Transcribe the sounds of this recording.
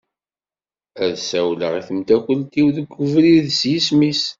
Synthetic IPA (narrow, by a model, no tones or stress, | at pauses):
æðsæwlə̰ʁiθəmt̪ækəlt̪iwðəɡʷːəvɾiðsjismis